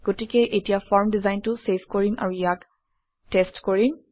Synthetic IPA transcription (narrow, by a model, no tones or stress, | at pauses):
ɡ̥otikɛʔetijafɔɹmdizajntuseskɔɹinʔa̰ɹujak | testkoɹin